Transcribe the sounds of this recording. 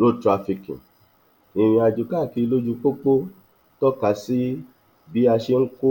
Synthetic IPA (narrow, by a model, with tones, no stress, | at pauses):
ɾo˦˨tɾa˧fi˧kḭ̃˨ | i˨ɾ̃ĩ˧a˧d͡ʒu˨ka˦˨ki˧lo˦d͡ʒu˧k͡po˦k͡po˦ | tɔ˦ka˨˦si˦ | bi˨˦a˧ʃe˧ŋ̩˦ko˦